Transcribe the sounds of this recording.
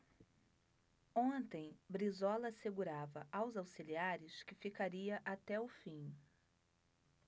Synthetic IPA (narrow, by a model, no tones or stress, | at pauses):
õnt̪ẽj̃bɾizɔlɐseɡuɾavɐʔawzawsiliaɾɪskɪfikaɾiɐʔat̪ɛʊfĩ